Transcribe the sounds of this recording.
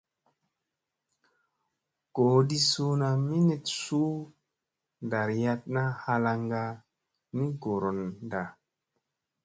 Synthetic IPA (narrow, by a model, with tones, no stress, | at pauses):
ɡ̥oː˨di˦su˦na˨mi˦ne˨tsu˦ | nda˨ɾja˧t̚na˦ha˧la˧ŋɡa˧ | ni˦ɡo˨ɾo˨nda˨